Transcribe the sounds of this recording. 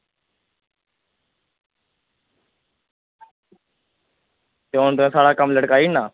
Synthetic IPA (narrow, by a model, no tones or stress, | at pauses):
t̪eoːnt̪ʊɦẽːsaːɽaːkəmləɽkaːiːnaː